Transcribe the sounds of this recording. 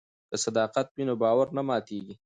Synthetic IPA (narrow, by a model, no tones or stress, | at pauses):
d̪̥əsad̪ɑːqat̪̚binobɑːwaɾnamɑːt̪eɡi